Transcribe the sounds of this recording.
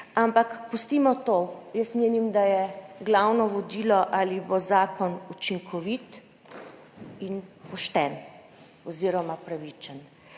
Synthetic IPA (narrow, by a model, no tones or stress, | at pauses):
ampakpust̪iːmɔt̪ojəsmeːnimd̪ajɛɡlawnɔʋɔd̪iːlɔʔalibozaːkɔnut͡ʃiŋkʰɔʋit̪ | inpɔʃt̪ɛn | ɔziːɾɔmapɾaʋiːt͡ʃən